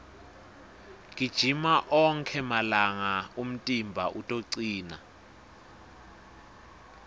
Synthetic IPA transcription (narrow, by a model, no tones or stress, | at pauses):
kʼid̥ʒ̥ʱimaʔɔŋkʰɛmalaŋaum̩tʼimbʱaʔutʼoǀiːna